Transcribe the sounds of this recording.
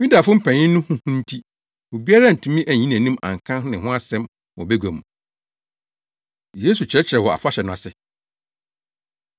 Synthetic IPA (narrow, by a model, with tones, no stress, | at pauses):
mĩ˦da˨fʊ̃˦m̩˦pʰæ̃˨ɲɪ̃˦n˦nʊ̃˦hʊ̃˦hʊ̃˦n̩˦tʰi˦ | wo˨bi˦a˦ɾa˦˨n̩˨tʰũ˦mĩ˦ʔæ˨ɲĩ˦n˦æ̃˨nĩ˦mã̰˨ŋ˨kʰã˦nɪ̃˨ɦʊ̃˦a˦sɛ̃˦m | wɔ̰˨bɛ˦ɡʷæ˨mũ˨ | jeː˦su˨t͡ɕʰɪ˨ɾɛ˦t͡ɕʰɪ˨ɾɛ˨wɔ˨a̰˨fa˦ɕɛ˨nʊ̃˨a˨sɪ˨